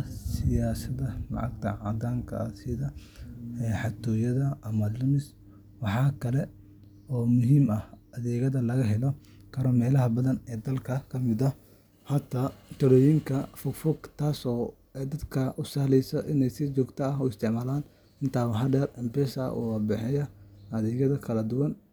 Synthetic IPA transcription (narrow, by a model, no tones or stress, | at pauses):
sɪjaːsɐðɐlɑ̰ʕɑ̰ɡ̚t̪ʰɐ̰ʕɑd̪aːŋkʰɐ̰sɪðɐ | ɛːħɑt̪ʰɔːjɐðɐɐmɐlɪmɪs | wɑħɑːkʰɐlɛ | ɔːmʊɦiːmɐhɐðɛːɣɐðɐlɐɣɐɦɛlɔ | kʰɐɾɔːmɛːlɐɦɐbɐðɐnɛːd̪ɐlkʰɐkʰɐmɪðɐ | hɐt̪ʰɐt̪ʰɐɾɔːjɪŋkʰɐfʊɡfɔɡt̪ʰaːsɔː | d̪ɐd̪kʰɐʔʊsaːlɛjsɐʔɪnɛjsɪt͡ʃɔːɡt̪ʰɐɐɦuːɪst̪ʰɪʕmaːlaːn | ɪnt̪ʰaːwɐɦɐɖɛrɪmbɛsɐ̰ʔṵːwɑbɛħɪjɐɐðɛːɣɐðɐkʰɐlɐd̪ʊwɐn